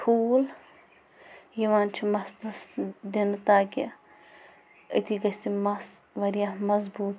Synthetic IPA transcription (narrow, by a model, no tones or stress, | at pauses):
ʈʰuːl | jiʋaːnt͡ʃʰimɐsd̪ɐsd̪int̪aːke | ɐ̰t̪ʰiɡɐsimɐsʋɐɾijamɐzbuːt̪